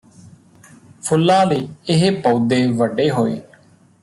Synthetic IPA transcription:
pʰʊlːãːd̪eːɪɦpoːd̪eːʋəɖeːɦoːḛː

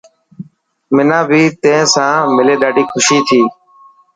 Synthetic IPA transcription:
mɪnãːbʱiːt̪ẽːsãːmɪleːɗ̪aːɖiːxʰʊʃiːt̪ʰiː

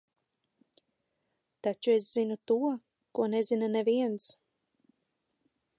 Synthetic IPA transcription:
t̪at͡ʃuesz̥inut̪uɔ | kuɔnezinaneviɛns

